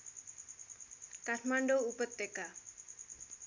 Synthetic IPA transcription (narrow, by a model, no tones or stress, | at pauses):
kaʈʰmaɳɖoupət̪ːeka